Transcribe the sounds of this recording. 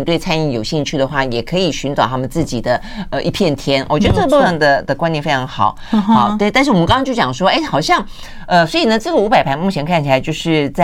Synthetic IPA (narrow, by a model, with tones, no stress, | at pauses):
nt̪we˥˩ɪt͡sʰa˥ni˧˩jo˨˩ʊɕi˥˧ŋt͡ɕʰy˥˩d̪ə˩xwa˥˩jɛ˨˩kʰɤ˧˥i˨˩ɕy˧˥nt͡sɑ˨ʊt̪ʰa˥mə˨nt͡sɹ̩˥˩t͡ɕi˨˩d̪ə˦ | ə˧ʔi˧˥˩pʰjɛ˥˩nt̪ʰjɛ˥nwʔt͡ɕɥdə˧ʈ͡ʂɤ˥˩ə˧u˥˧˥ə˥˩nd̪ə˨d̪ə˩kwa˥nt̪jnfe˥ʈ͡ʂʰɑ˧˥ŋxɑ˨˩˦ʊ˥˩t̪ʂɻ̩˥˩ɔ˨m˧˦kɑ˥t͡ɕo˥˩t͡ɕɑ˨˩ʂwɔ˥e˥˩ɪxɑ˨˩ʊɕjɑ˥˩ŋ | ə˧swɔ˧˥i˨˩nə˦ʈ͡ʂɤ˥˩ɡə˩u˧˥pa˨˩ɪpʰa˧˥ɪmu˥˩t͡ɕʰjɛ˧˥nkʰa˥˩nt͡ɕʰi˨˩a˧˦t͡ɕo˥˧ʊʂɻ̩˥˧t͡sa˥˩